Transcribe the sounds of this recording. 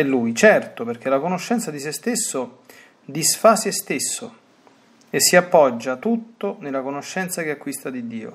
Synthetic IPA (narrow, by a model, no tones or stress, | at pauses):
ɛlːujt͡ʃɛrt̪operk̟ʰelakonoʃːɛnt̪sad̪isest̪esːo | d̪isfasest̪esːo | esːiapːɔd͡ʒːat̪ut̪ːonelakonoʃːɛnt̪sakeakːwist̪ad̪id̪ːiːo̰